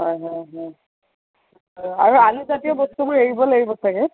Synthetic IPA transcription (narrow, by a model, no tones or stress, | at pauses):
ɦɔjɦɔjɦɔj | ɦɔjaɹualuzatiɔbɔstumojeɹibɔlaɹibɔtʰakɛ